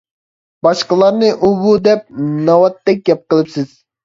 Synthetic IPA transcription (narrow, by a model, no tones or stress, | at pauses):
bɑʃqəlˠɑɾnɨʔubud̪ɛp̚nɑwɑt̪ːɛk̚ʲɡʲɛp̚qəlˠɨpsɪz̥